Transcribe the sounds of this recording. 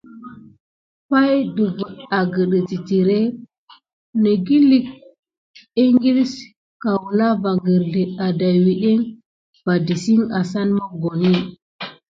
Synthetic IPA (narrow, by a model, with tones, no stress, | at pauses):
pa˦jdə˨və˨ta˨ɡə˨ɗə˨ti˨ti˨ɾe˦ | nə˨ɡi˦li˦k̚ | i˦ŋɡi˦ls | ka˨wu˨la˦va˨ɡə˨ɾɮi˨a˨da˨jwi˨ɗe˦ŋ | v̥a˨di˨si˦ŋa˨sa˦nmə˦ɡo˨ni˦